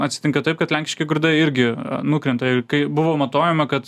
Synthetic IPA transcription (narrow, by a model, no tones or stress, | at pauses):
ɐt̪ʲsʲɪ̥t̪ʲɪŋkɐt̪ɐɪp̚kɐt̪lʲæŋʲkʲɪ̥ʃʲkʲeɡʊɾd̪ɐɪɾʲɡʲɪnʊkɾʲɛnt̪ɐɪrkɐɪbʊʋoːmɐt̪oːjɛmɐkɐt̪